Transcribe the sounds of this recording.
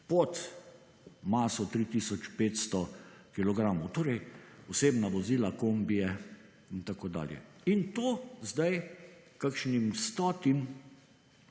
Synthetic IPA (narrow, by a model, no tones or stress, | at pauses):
pɔt̪ | maːsɔt̪ɾiːt̪iːsɔt͡ʃpeːt̪st̪ɔkilɔɡɾaːmɔwt̪oːɾɛjɔseːbnaʋɔziːlakoːmbijɛ | int̪akod̪a̰ːljɛ̰ | int̪oːzd̪aj | kakʃnimst̪ɔːt̪im